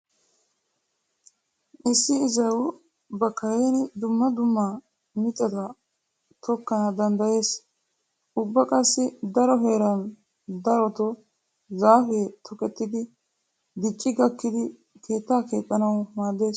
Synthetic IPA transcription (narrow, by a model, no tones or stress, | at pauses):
ʔɪsːɪɪzɐw | bɐkːɐɾeːnɪd̪ʊmːɐd̪ʊmːɐ | mɪt̪ʼːɐt̪ɐ | t̪ʰɔkːɐnɐd̪ɐnd̪ɐje̞ːs | ʔʊbːɐkʼɐsːɪd̪ɐɾɔɦe̞ːɾɐn | d̪ɐɾɔt̪ɔ | zaːfeːt̪ʰɔkɛt̪ːɪd̪ɪ | d̪ɪt͡ʃʼːɪɡɐkːɪd̪ɪ | kʰe̞ːt̪ːaːkeːt̪ʼːɐnɐwmaːd̪ːe̞ːs